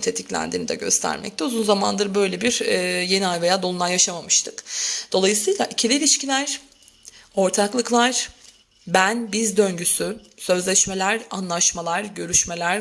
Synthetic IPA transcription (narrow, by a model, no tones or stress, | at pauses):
t̪ʰe̞t̪ʰiclʲæ̰nd̪iːnid̪ɛ̰ɟø̞̰st̪ʰæ̰ɾmɛ̰c̚t̪ʰɛuzunzamand̪ɯɾbø̞jlʲebiɾɛːje̞niajve̞jaːd̪olˠumˠajaʃamamɯʃt̪ʰɯkd̪̥o̞lˠajɯsɯjlˠaʔicʰilʲilʲiʃcilʲæɾ̥ | o̞ɾt̪ʰaklˠɯklˠaɾ̥ | bænbizd̪ø̞ɲɟysy | sø̞zlʲɛʃme̞lʲæɾanlˠaʃmalˠaɾɟø̞ɾyʃme̞lʲæɾ